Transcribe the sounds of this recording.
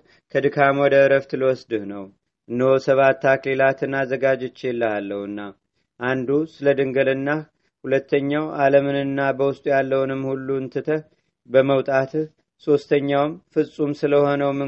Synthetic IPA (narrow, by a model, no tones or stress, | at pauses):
kʰəd̪ɨkʰamwɔd̪əɨɾəft̪ʰɨləwɔsd̪ɨhnəw | ʔɨnːəhosəβat̪ːaklelat̪ʰɨnːazəɡad͡ʒɛt͡ʃːelːəalːəhɨnːa | ʔand̪usɨləd̪ɨŋɡəlɨnːa | hulət̪ːəɲːawaləmɨnɨnːabəwʊst̪ʼujalːəwnɨmhulːuɨnt̪ʰɨt̪ʰəh | bəməwt̪ʼat̪ | so̞st̪ʰəɲːawmfɨsʼumsɨləho̞nəwmːɨ